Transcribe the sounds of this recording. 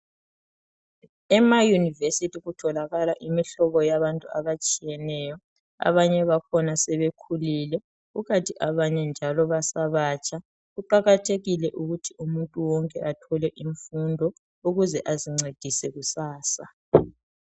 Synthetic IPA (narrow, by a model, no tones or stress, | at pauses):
ɛmajunivesitʰiɣutʰɔlaɣalaʔimiɬɔβɔjaβantʼua̰βat͡ʃʼijɛnɛjɔ | a̰βaɲɛβakʰɔnasɛβekʰulilɛ | uɣatʰʼiʔaβaɲɛnd͡ʒʱalɔβasaβaːt͡ʃʼa | ɣuǃaɣatʰeɣilɛʔuɣutʰiumuntʼuwɔŋkʼɛʔatʰɔlɛʔiɱfundʱɔ | uɣuzɛʔaziŋ͡ǀed̥ʱisɛɣusaːsa